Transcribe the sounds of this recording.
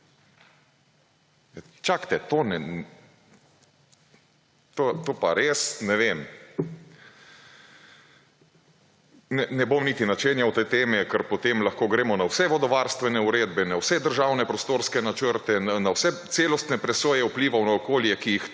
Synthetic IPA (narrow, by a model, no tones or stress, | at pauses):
ja | t͡ʃakt̪ɛt̪oːnɛ | t̪ot̪oːpaɾeːsnɛʋem | nɛnɛbomniːt̪inat͡ʃeːnjawt̪ɛjt̪eːmɛkəɾpɔt̪emlaxkoːɡɾeːmɔnawsɛʋɔd̪ɔʋaɾst̪ʋɛnɛuɾeːd̪bɛnawsɛd̪əɾʒawnɛpɾɔst̪oːɾskɛnat͡ʃəɾt̪ɛnanawsɛt̪seːlɔst̪nɛpɾɛsoːjɛupliːʋawnaɔkoːljɛkijix